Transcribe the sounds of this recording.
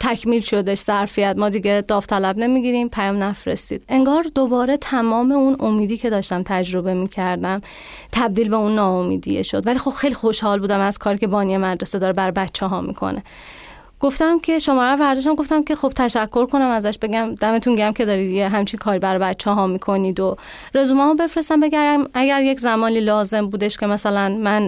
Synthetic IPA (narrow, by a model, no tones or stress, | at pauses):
t̪ʰækʰmiːlʃo̞d̪eʃz̥æɾfijæt̪mɒːd̪iɡe̞d̪̥ɒːft̪ʰælæbne̞miːɡiɾiːmpʰæjɒːmnæfɾest̪ḭːd̪̥e̞ŋɡɒːɾd̪obɒːɾe̞t̪ʰæmɒːme̞unomiːd̪iːcʰe̞d̪ɒːʃt̪æmt̪ʰæd͡ʒɾo̞be̞miːcʰæɾd̪æm | t̪ʰæb̚d̪iːlbe̞unːɒːomḭːd̪ḭjḛʃo̞d̪vælixo̞b̥xejlixo̞ʃhɒːlbuːd̪æmæzkʰɒːɾicʰe̞bɒːnijemæd̪ɾesed̪ɒːɾebæɾɒbæt̪t͡ʃʰːeɦɒːmḭkʰo̰nʔe̞ | ɡ̥o̞ft̪æmcʰe̞ʃo̞mɒːɾævæɾd̪oʃt̪æmɡo̞ft̪æmkʲʰe̞xo̞b̥̚t̪ʰæʃækʰːo̞ɾkʰo̞næmæzæʃbe̞ɡæmd̪æme̞t̪ʰunɟæmcʰʲe̞d̪ɒːɾid̪jeɦæmt͡ʃʰiŋkʰɒːɾibæɾɒbæt̪t͡ʃʰːɛɦɒːmiːkʰo̞niːd̪o | ɾe̞zumæːhobe̞fɾest̪æmbeɡæmæɡæɾjeczæmɒːniːlɒːze̞mbuːd̪eʃkʲʰe̞mæsælænmæn